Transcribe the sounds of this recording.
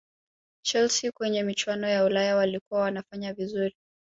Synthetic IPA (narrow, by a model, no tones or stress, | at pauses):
t͡ʃɛlsikwɛɲɛmit͡ʃwanɔjaulajawalikuwawanafaɲavizuɾi